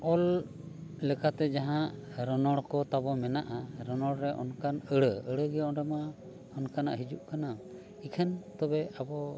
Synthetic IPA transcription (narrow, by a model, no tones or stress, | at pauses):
ɔl | lɛkat̪ɛd͡ʒaɦãʔɾɔnɔɽkɔt̪abɔmɛnaʔaɾɔnɔɽɾɛʔɔ̰nkanəɽəəɽəɡɛɔnɾɛma | ɔnkana̰ʔɦid͡ʒuʔkana | ikʰɛnt̪ɔbɛabɔ